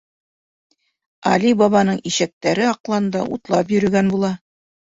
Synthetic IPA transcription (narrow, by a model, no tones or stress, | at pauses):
ɑ̰libɑβɑnɤɴiɕæk̚t̪æɾɘɑqlˠɑnd̪ɑʔṵt̪lˠɑp̬jɵ̆ɾɵ̆ɡænbulˠɑ